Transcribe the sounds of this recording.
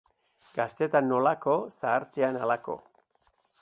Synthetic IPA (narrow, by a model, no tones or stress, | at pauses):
ɡ̥ast̪e̞t̪anːo̞lako̞saːɾt͡seanalako̞̰